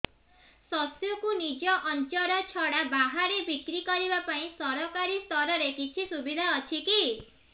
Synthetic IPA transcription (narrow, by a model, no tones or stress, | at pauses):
sɔsjɔkunid͡ʒɔʔɔnt͡ʃɔɾɔt͡ʃʰɔɽabaɦaɾebʱikɾikɔɾibapaĩsɔɾɔkaɾist̪ɔɾɔɾekit͡ʃʰisubid̪ʱaɔt͡ʃʰiki